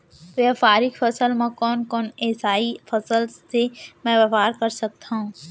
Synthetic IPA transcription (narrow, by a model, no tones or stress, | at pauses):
ʋjefaːɾɪkfʰɐsəlmẽkɔːnkɔːneːsaːifʰɐsəlsemɛ̃ʋɐfaːɾkɐɾsɐk̚t̪aɦũː